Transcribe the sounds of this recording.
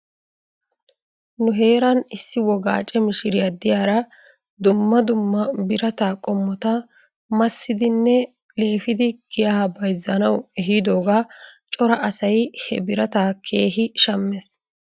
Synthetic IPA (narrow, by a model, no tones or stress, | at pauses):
nʊɦe̞ːɾɐnɪsːɪwɔɡa̰ːt͡ʃʼɛmɪʃɪɾɪjɐd̪ɪjaːɾɐ | d̪ʊmːɐd̪ʊmːɐbɪɾɐt̪aːkʼɔmːɔt̪ɐ | mɐsːɪd̪ɪnːɛ | le̞ːfɪd̪ɪɡ̥ɪjahɐbɐjzːɐnɐwɛɦɪd̪o̞ːɡat͡ʃʼɔɾɐʔɐsɐjhɛ̰bɪɾɐt̪aːkʰe̞ːɦɪʃɐmːɛs